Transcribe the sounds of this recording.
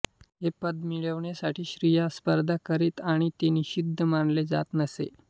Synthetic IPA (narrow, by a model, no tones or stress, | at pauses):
ɦepəd̪miɭəʋɳjasaʈʰiːɕɾijaspəɾd̪ʱakəɾiːt̪aɽ̃it̪eniɕid̪ʱːəmanled͡za̰t̪nəsḛ